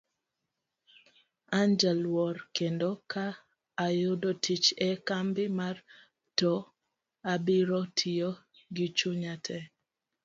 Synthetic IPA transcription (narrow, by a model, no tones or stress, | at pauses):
and͡ʒɛlwɔrkendokʰaː | jʊdotit͡ʃɛkambɪmar | tɔ | abiɾɔtʰijo | ɡit͡ʃuɲatʰɛ